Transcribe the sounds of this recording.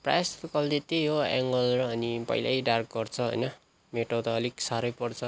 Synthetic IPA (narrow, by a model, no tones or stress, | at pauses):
pra̰jstukʌld̪et̪eɦoɛŋɡʌlrʌːnipʌ̰jla̰ɖark̚ɡʌrt͡sʰʌɦʌ̰jnʌ | meʈot̪ʌːliksaɾʌjpʌrt͡sʰʌ